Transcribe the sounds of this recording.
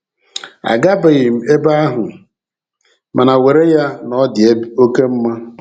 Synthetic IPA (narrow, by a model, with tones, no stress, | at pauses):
a̰˨ɡa˦ba˨ɣɪ˨m̩˨e˦ba˦a˦ɦʊ˨ | ma˨na˨we˨ɾe˦ja˦nɔ˦dɪ˨e˦o˦ke˦m̩˦ma˦